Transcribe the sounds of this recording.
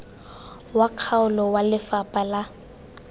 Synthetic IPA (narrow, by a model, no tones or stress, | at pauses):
waq͡χʰaʊlɔwalɪfapʼala